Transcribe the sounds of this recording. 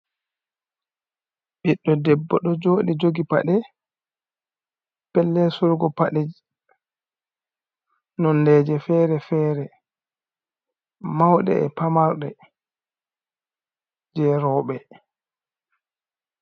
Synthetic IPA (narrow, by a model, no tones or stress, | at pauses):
ɓiɗːɔdɛbːɔɗɔd͡ʒoːɗid͡ʒoɡipa̰ɗɛ | pɛlːɛsuɾɡɔpaɗɛ | nɔnlɛd͡ʒɛfɛːɾɛfɛːɾɛ | mawɗɛ̰ɛ̰pamaɾɗɛ | d͡ʒɛɾɔːɓɛ